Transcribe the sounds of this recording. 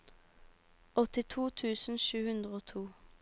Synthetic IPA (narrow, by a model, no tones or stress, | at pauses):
ʔɔt̪ɪt̪ʰuːt̪ʰʉːsn̩ʃʉːhʉnd̪ʁəoːt̪ʰuː